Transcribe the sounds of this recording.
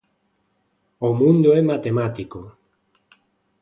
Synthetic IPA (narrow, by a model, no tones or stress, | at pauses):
omũnd̪oemat̪emat̪iko